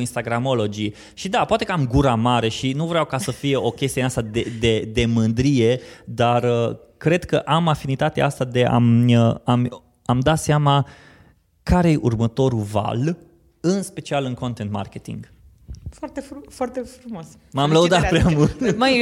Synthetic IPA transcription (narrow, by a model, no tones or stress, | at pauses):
inst̪aɡɾamo̞lo̞d͡ʒi | ʃid̪apoat̪e̞kəamɡuɾamaɾe̞ʃinuvɾeawkasəfije̞ʔo̞kʲe̞st̪ieneast̪ad̪ed̪e̞d̪e̞mɨnd̪ɾije̞d̪arə | kɾe̞d̪kəʔamafinit̪at̪eʔast̪ad̪e̞ʔa̰məam | amd̪at̪seama | kaɾejeʔurmət̪o̞ɾuva̰l | ɨnspe̞t͡ʃialɨnko̞nt̪ent̪ma̰rkʲe̞t̪ḭŋɡ | fwart̪effwart̪efɾumoas | mamləud̪at̪̚pɾeamult̪ma